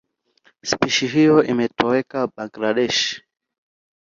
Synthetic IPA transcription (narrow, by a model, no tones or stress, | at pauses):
spiʃiɦijɔimɛtɔɛkaɓaɡlaɗɛʃ